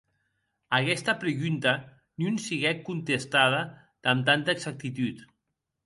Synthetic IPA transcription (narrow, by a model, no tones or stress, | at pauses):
akɛst̪apɾeɣunt̪a | niunsiɣɛkːunt̪est̪aða | d̪̥amt̪ant̪aeɡz̥ak̚t̪it̪ut̪